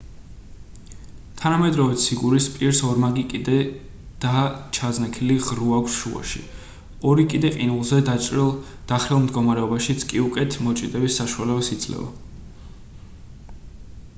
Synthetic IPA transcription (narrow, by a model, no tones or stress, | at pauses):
t̪ʰanamɛd̪ɾɔvit̪siɡuɾispʼiɾsɔɾmaɡikʼid̪ɛ | d̪̥at͡ʃʰadznakʰiliʁɾuakʷʰsʃua̰ʃḭ | ɔɾikʼid̪ɛqʼinulˠzɛd̪at͡ʃʼɾilˠ | d̪̥aχɾilˠmd̪ɡɔmaɾɛɔbaʃit̪sʰkʼiukʼɛt̪ʰmɔt͡ʃʼid̪ʼɛbisːaʃualɛbasit̪sʼlɛ̰va̰